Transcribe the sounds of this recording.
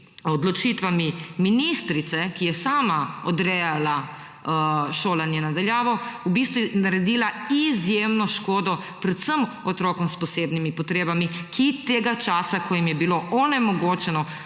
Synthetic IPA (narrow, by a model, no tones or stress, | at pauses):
ɔd̪lɔt͡ʃit̪ʋamiminist̪ɾit̪sɛkijɛsaːmaɔd̪ɾɛjala | ʃoːlanjɛnad̪aljaːʋɔubist̪ʋunaɾɛd̪iːlaizjeːmnɔʃkoːd̪ɔ | pɾɛt̪səm | ɔt̪ɾɔːkɔmspɔseːbnimipɔt̪ɾeːbamikʰit̪eːɡat͡ʃaːsakɔjimjɛbiloɔnɛmɔɡoːt͡ʃɛnɔ